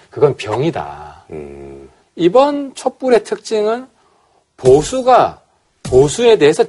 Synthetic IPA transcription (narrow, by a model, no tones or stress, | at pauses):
kɯɡʌnpjʌŋida̰ | ibʌnt͡ɕʰop͈uɾe̞tʰɯk̚t͡ɕ͈iŋɯn | posʰuɡa | posʰue̞de̞ɦesʰʌ